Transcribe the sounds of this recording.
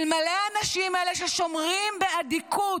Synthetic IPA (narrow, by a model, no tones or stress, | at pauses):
lmaleanaʃimeleʃeʃo̞mʁimbead̪ikʰu